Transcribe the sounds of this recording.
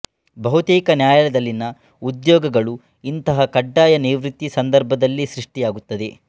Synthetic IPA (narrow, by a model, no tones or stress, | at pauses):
bɐɦut̪iːkɐnjaːjɐlɐd̪ɐlːinɐ | ud̪jɔːɡɐɡɐɭu | int̪ɐɦɐkɐɖːaːjɐniːʋɾit̪ːisɐnd̪ɐɾbʱɐd̪ɐlːisɾiʂʈijaːɡut̪ːɐd̪e̞